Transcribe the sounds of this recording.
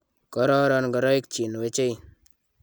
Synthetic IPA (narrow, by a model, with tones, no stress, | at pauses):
kɔ˦ɾɔ˦ɾɔnɡɔ˨ɾɔ˦i˦kt͡ʃi˨nwe˦t͡ʃe˦j